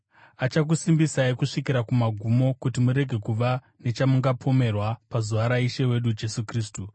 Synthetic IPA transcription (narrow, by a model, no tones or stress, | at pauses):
at͡ʃak̬usimbisaikuʂikiɾakumaɡʱumo̞kutimuɾe̞ɡʱe̞kuʋa | ne̞t͡ʃamuŋɡapʰo̞me̞rwapazuʋaɾaiʃe̞we̞ɗud͡ʒe̞sukriːs̬tu